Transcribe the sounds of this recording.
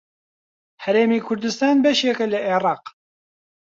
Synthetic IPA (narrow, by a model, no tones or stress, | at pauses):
hɛɾeːmiːkʰʊɾd̪ɨst̪ɑːnbɛʃeːkɛlɨʔeːɾɑːq